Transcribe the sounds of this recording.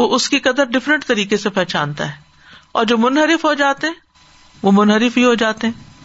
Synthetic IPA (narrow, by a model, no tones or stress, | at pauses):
oʔʊskikɐd̪əɾɖɪfɾə̃ɳʈt̪ɐɾiːkesepɛːt͡ʃaːnt̪a̰ɦɛː | ɔ̰ːɾd͡ʒoːmʊnɦəɾɪfɦod͡ʒaːt̪eɦɛ̃ | ʋomʊnɦəɾɪfbiɦod͡ʒaːt̪eɦɛ̃ː